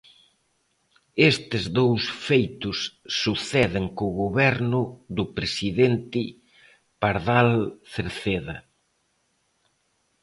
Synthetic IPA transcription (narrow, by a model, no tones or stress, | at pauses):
est̪ɪzðowsfejt̪ʊsːuθɛðɪŋkʊɣoβɛɾnʊðʊpɾesiðent̪ɪ | paɾðalθeɾθeðɐ